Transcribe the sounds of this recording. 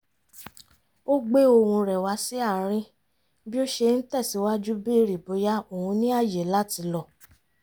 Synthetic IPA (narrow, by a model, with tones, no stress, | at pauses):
o˦ɡ͡be˦o˧hũ˧ɾɛ˨wa˨˧˦si˦a˦˨ɾ̃ĩ˧ | bi˦o˦ʃe˧n̩˦tɛ˦˨si˨˦wa˦d͡ʒu˦bi˦˧ɾi˨bo˨˦ja˦o˨hũ˧nĩ˦a˦˨jɛ˨la˦ti˧˦lɔ˦˨